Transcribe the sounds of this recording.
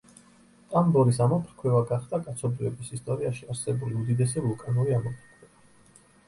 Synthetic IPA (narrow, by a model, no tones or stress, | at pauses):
t̪ʼambɔɾisamɔpʰɾkʰwɛvaɡaχd̪akʼat̪sʰɔbɾivɛbisist̪ʼɔɾiaʃiaɾsɛbuliud̪id̪ɛs̬ɛvulˠkʼanuɾiamɔpʰɾkʰwɛva